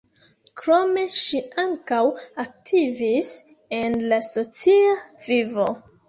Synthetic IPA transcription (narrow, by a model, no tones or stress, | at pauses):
kɾo̞me̞ʃiaŋkawak̚tʰivis | e̞nlaso̞t͡siavivo